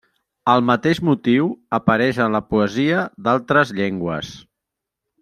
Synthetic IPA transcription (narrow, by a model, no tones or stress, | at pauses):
əlˠmət̪eʒmut̪iwəpəɾɛʃənləpuəziəd̪alˠt̪ɾəzʎeŋɡwə̰s